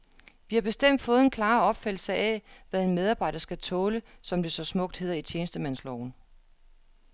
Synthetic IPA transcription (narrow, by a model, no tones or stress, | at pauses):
ʋihɑ̈b̥e̝sd̥em̰d̥fɔ̽ːð̞̩ˠenkʰlɑ̈ːɒ̽b̥fæd̥l̩səæʋæðˠe̝nmeð̞ˠɑ̈ːb̥ɑ̈ɪ̰d̥ɐsɡ̥æt͡sʰɔːləsɒ̽md̥e̝sɒ̽smɔ̽ɡ̥̚d̥he̝ð̞̰ˠɐit͡ɕʰjeːnəsd̥əmæn̰slɒʊn